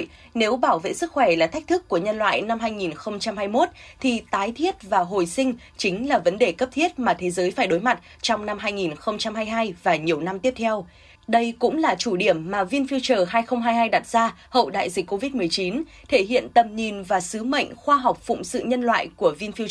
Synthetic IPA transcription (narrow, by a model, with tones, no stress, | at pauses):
ne˨˦wɓaː˧˩wvḛ˧˨sɨ˦˥k̚xwɛ˧˩laː˨˩t̪ʰa˦˥k̚t̪ʰɨ˦˥kːu˧˩əɲə˧nlwa̰ː˧˨jna˧mɦaː˧jŋi˨˩nxə˧wŋ͡mt͡ɕa˧mhaː˧jmo˦˥t̚t̪ʰi˨˩t̪aː˨˦jt̪ʰi˦˥ət̚vaː˨˩ɦo̰˨˩jsï˧ŋ̟ | t͡ɕï˨˦ŋ̟laː˨˩və˨˦nɗe˨˩kə˦˥p̚t̪ʰi˦˥ət̚maː˨˩t̪ʰe˨˦zəː˨˦jfaː˧˩jɗo˨˦jma˨˩t̚ | t͡ɕɔ˧wŋ͡mna˧mɦaː˧jŋi˨˩nxə˧wŋ͡mt͡ɕa˧mɦaː˧jɦaː˧jvaː˨˩ɲi˨˩əwna˧mt̪i˦˥əp̚t̪ʰɛ˧w | ɗə˧jkʊ̰˧˥ŋ͡mlaː˨˩t͡ɕu˧˩ɗi˧˩əmːaː˨˩vi˧ənfi˧wt͡ɕəː˨˩ɦaː˧jxə˧wŋ͡mɦaː˧jɦaː˧jɗa˨˩t̚z̥aː˧hə̰˧˨wɗa̰ː˧˨jzi˨˩k̟ːo˧vi˦˥t̚mɨ˨˩əjt͡ɕi˨˦n | t̪ʰe˧˩hḭ˧˨ənt̪ə˨˩m̚ɲi˨˩nvaː˨˩sɨ˨˦mə̰˧˨jŋ̟xwaː˧ɦa˨˩wk͡p̚fʊ̰˧˨ŋ͡msɨ̰˧˨ɲə˧nlwa̰ː˧˨jku˧˩əvi˧nfi˧ə